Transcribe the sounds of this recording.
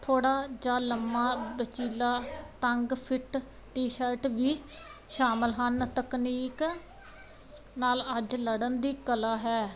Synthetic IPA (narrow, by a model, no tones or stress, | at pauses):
t̪ʰoːɽaːd͡ʒaːləmːaːbət͡ʃiːlaːt̪əŋɡpʰɪʈ | ʈiːʃəɪʈʋiː | ʃaːməlɦənt̪əkniːk | naːləd͡ʒləɽənd̪iːkəlaːɦɛː